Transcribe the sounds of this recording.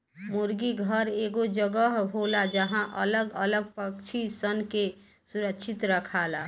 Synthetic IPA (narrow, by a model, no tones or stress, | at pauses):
muɾɡiɡʱəɾeɡod͡ʒəɡəɦɦolad͡ʒəɦãʔə̰ləɡələɡ̚pəkt͡ʃʰisənke | suɾəkʃʰɪt̪ɾəkʰaːla